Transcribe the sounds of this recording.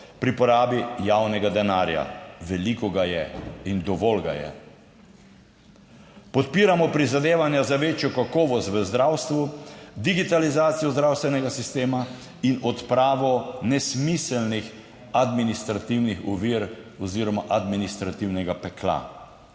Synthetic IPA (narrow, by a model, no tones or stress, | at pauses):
pɾipɔɾaːbijawnɛɡad̪ɛnaːɾja̰ʋɛlikɔɡajɛ̰ind̪ɔʋɔlɡa̰jɛ̰ | pɔt̪̚piːɾamɔpɾizad̪eːʋanjazaʋeːt͡ʃjɔkakɔːʋɔst̪ʋəzd̪ɾawst̪ʋud̪iɡit̪alizaːt̪sijɔzd̪ɾawst̪ʋɛnɛɡasist̪eːma | inɔt̪pɾaːʋɔnɛsmisɛlnix | ad̪minist̪ɾat̪iwnixɔ̰ʋiɾɔziːɾɔmaʔad̪minist̪ɾat̪iwnɛɡapɛkla̰